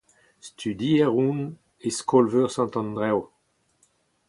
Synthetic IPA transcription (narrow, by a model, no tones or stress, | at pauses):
st̪ʰyd̪iɛʁũn | eskʰɔlvøʁsɑ̃nt̪ɑ̃nd̪ʁɛw